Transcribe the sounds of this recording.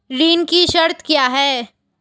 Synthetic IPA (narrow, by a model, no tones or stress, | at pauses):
ɾiːnkiʃɐɾt̪kjaːɦɛː